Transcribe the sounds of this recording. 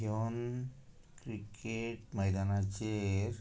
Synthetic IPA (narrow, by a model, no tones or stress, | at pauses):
oːn | kɾikʰːeʈmɐjd̪aːnat͡ʃeɾ